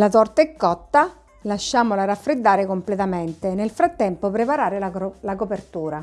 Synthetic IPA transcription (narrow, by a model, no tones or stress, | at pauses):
lat̪ɔrt̪aɛkːɔt̪ːa | laʃːaːmolaɾafːɾɪd̪ːaːɾɪkomplɛt̪amɛnt̪enelfɾat̪ːɛmpopɾepaɾaːɾɪllakopert̪uːɾa